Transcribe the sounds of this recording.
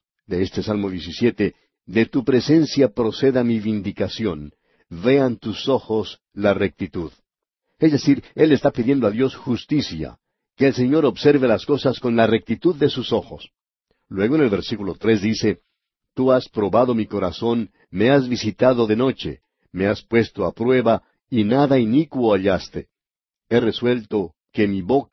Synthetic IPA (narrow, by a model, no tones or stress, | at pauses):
d̪e̞est̪e̞salmo̞ðjesisje̞t̪e̞ | ðe̞t̪upɾe̞se̞nsjapɾo̞se̞ðamivind̪ikasjo̞n | ve̞ant̪uso̞xo̞s | lare̞k̚t̪it̪uð | e̞zðe̞siɾe̞lest̪apiðje̞nd̪oaðjo̞sxust̪isja̰ | ke̞ːlse̞ɲo̞ɾo̞βse̞ɾβe̞lasko̞sasko̞nlarek̚t̪it̪uðːe̞suso̞xo̞s | lwe̞ɣoene̞lβe̞ɾsikulo̞t̪ɾe̞zd̪ise̞ | t̪uaspɾo̞βaðo̞miko̞ɾaso̞n | me̞azβisit̪aðo̞ðe̞no̞t͡ʃe̞̰ | me̞aspwe̞st̪oapɾwe̞βa | inaðainikwoaʎast̪e̞ | e̞re̞swe̞lt̪o̞ | ke̞miβo̞k